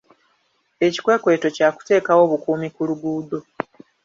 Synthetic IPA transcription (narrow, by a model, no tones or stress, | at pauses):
e̞ci̥kwe̞ːkwe̞ːto̞caːku̥te̞ːkawo̞ːβukuːmikuluɡuːdo